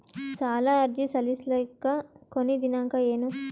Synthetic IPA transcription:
t͡ʃaːlaːɐɾd͡ʒisɐlislɐkːɐkonːid̪inaŋkɐeːnu

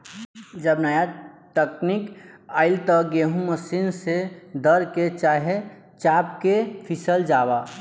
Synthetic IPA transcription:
d͡ʒəbnəjaʈəknikaːɪlt̪əɡeːɦũməsinsed̪əɾket͡ʃaːɦe | t͡ʃaːp̚kepʰisəld͡ʒaːba

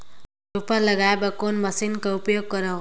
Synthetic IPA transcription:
upʌlʌɡaebakonmʌsinkaupjoɡ̚kʌɾa

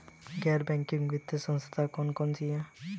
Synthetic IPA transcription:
ɡɛɾbɛŋkiŋʋit̪ːesɔ̃nst̪ʰakɔnkɔnsijã

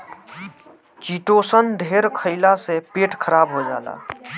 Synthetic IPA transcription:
t͡ʃiːʈoːsənd̪ʱeːɾkʰəɪlasepeːʈkʰəɾaːbɦod͡ʒa̰ːla̰ː

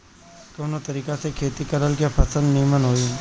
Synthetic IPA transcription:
koːnot̪əɾiːkasekʰeːt̪ikəɾəlkjapʰɐsə̃nd̪nijmənɦoːi

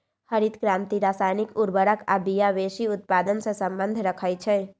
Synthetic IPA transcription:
həɾit̪kɾamt̪iɾasajnikuɾbəɾəkabijabesiut̪̚pad̪ənsə̃səmbənd̪ʱɾəkʰəjt͡ʃʰɛ

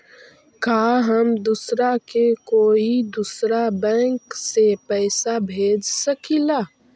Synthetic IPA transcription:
kaːɦəmd̪usɾakekoːid̪usɾabɛ̃ːŋksepɛːsabʱeːd͡ʒsəkilaː

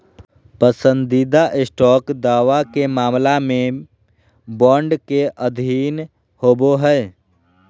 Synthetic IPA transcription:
pəsə̃nd̪id̪aʔɪsʈɔːkd̪aːʋakemaːmlamẽ | bɔːɳɖkeʔəd̪ʱiːn | hoːboɦɛe

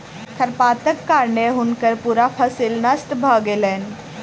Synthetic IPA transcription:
kʰəɾpaːt̪əkːaɾneɦunkəɾpuɾapʰəsilnɐst̪bʱəɡelen

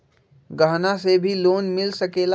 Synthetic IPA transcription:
ɡəɦnasebʱiloːnmɪlsɐkeːla

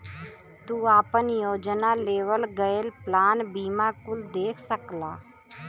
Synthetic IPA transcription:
t̪uaːpənjoːd͡ʒnaleːʋəlɡəelplaːnbiːmakʊld̪eːkʰsəklaː

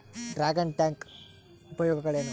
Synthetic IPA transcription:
ɖɾaːɡɐɳʈjaːŋk | upɐjoːɡɐɡɐɭeːnu

